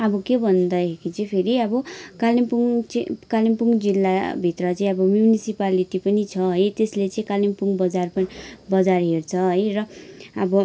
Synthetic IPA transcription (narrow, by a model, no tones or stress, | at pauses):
ʌbʌkebʱʌnd̪ʌɦekit͡sʌ̃pʰeɾiʌbʌkalimpuŋkalimpuŋd͡zilːabʱit̪rʌt͡saĩʌbʌmjunisipaliʈipʌnit͡sʰʌɦʌjt̪eslet͡sʌĩkalimpuŋɡbʌd͡zarpʌnbʌd͡zarɦert͡sʰʌɦʌjrʌʌbʌ